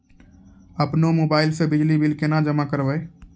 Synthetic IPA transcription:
əpnomoːbaːɪlsebɪd͡ʒlibilkenad͡ʒəmakəɾbə

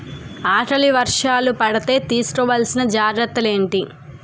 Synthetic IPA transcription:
aːʈɐliʋɐɾʂaːlupɐɽɐt̪e̞ːt̪iːsu̥kɔʋaːlsinɐd͡ʒaːɡɾɐt̪ːɐle̞ːɳʈi

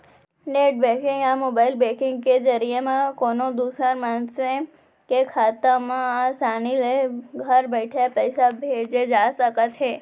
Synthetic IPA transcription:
neʈ̚bekɪ̃ŋɡamobailbekɪ̃ŋɡked͡ʒəɾijemãkonod̪usəɾmãnse | kekʰat̪amãasanileɡʱəɾbəʈʰapəjsabʱed͡ʒed͡ʒasəkat̪ʰɦe

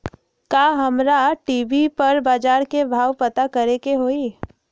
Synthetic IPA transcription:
kaːɦɐmɾaʈiːbipɐɾbaːd͡ʒaːɾkebʱaːʋpɐt̪akəɾekeɦoːiː

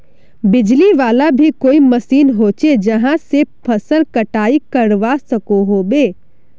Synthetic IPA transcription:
bɪd͡ʒliʋaːlabʱikoːimɐsiːnɦoːt͡ʃed͡ʒɐɦãsepʰɐsəlkɐʈaːikəɾʋasɐkoɦoːbeː

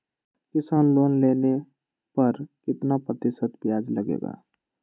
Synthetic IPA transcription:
kɪsaːnloːnleːne | pəɾkɪt̪napɾət̪ɪsət̪bjaːd͡ʒləɡḛːɡa̰ː

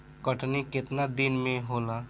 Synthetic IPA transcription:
kəʈniket̪nad̪inmẽɦola

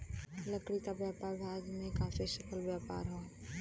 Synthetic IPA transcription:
ləkɽiːt̪aːbjaːpaːɾbʱaːd͡ʒmẽkaːfeʃəkəlʋjaːpa̰ːɾɦãː

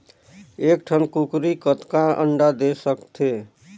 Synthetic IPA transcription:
ekʈʰənkukɾikət̪kãʔə̰ɳɖad̪esəkt̪ʰe

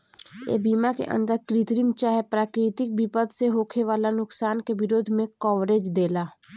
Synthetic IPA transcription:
ḛːbiːmakḛʔə̰̃nd̪əɾkɾɪt̪ɾimt͡ʃaːɦɛpɾaːkɾɪt̪ɪk̚bipəd̪seɦoːkʰeʋaːlanʊksaːnkeʋɪɾoːd̪ʱmẽkɔːʋɾeːd͡ʒd̪eːlaː

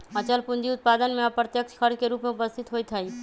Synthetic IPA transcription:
ət͡ʃəlpʊnd͡ʒiʊt̪̚paːd̪ənmẽɐpɾət̪jəkt͡ʃʰkʰəɾd͡ʒkeɾuːpmeʊpəst̪ʰɪt̪ɦoːit̪ʰɐi

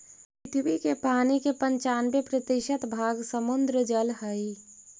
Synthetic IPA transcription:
pɪt̪ʰbikepaːnikepəɲt͡ʃaːnbepɾət̪iʃət̪bʱaːɡsəmʊnd̪ɾəd͡ʒəlɦəi

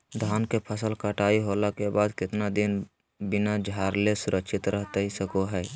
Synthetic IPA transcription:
d̪ʱaːnkepʰəsəlkaʈaːiɦoːlakebaːd̪kɪt̪nad̪ɪn | bɪnad͡ʒʱaːɾlesʊɾʔəkʃʰɪt̪ɾʔəɦt̪eisəkoɦɛː

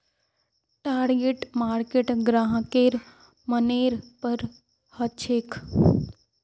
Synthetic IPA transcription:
ʈaːɾɡeːʈmaːɾkeːʈɡɾaːɦə̃keːɾ | məneːɾpəɾ | hɐt͡ʃʰeːkʰ

